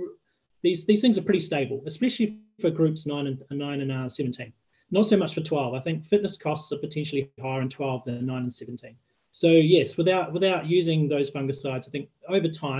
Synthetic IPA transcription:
ðizðiz̥θɪ̃ŋzə˞pʰɹ̥ɪɾisteɪbəl̩ˠɨspɛʃl̩ˠi | fə˞ɡɹʉˑpsnãɪ̃nɨ̃nnːãɪ̃nɨ̃nḁsɛvɨ̃ntʰĩn | nətsoʊmʌt͡ʃfə˞tʰw̥ɛlˠvaɪθɪ̃ŋkfɪʔⁿnəskʰɔstsəpɨtʰɛ̃nʃl̩ˠiɦaɪə˞ɨ̃ntʰw̥ɛlˠvðɨ̃nːãɪ̃nə̃nsɛṽn̩tʰĩn | soʊjɛswəðaʊʔ̚wɪðaʊʔjʉzɪ̃ŋðəʊz̥fʌ̃ŋɡə̥saɪdzaɪθɪ̃ŋk̚əʊvə˞tʰãɪ̃

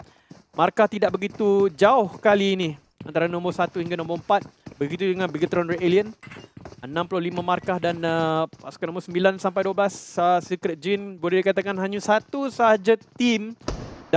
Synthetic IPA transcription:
markaht̪idaʔ̚bəɡit̪ud͡ʒaʊhkaliːnĩ | a̰nt̪aɾanɔ̃mbərsat̪uhiŋɡanɔ̃mbəəmpat̪̚bəɡit̪udəŋãnbiɡət̪ɾɔnrieliən | ənãmplʊhlimãmarkahdanəpasu̥kanɔ̃mbəsəmbilansampajduablassikɾɛt̪̚d͡ʒinbolɛhdikat̪akanɦaɲusat̪usəɦad͡ʒat̪imd

